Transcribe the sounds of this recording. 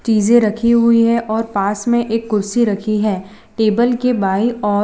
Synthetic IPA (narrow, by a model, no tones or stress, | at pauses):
t͡ʃiːzẽɾɐkʰiɦʊiɦɛʔɔːɾpaːsmẽʔeːk̚ɡʊɾsiɾɐkʰiɦɛː | ʈeːbəlkebaːiɔː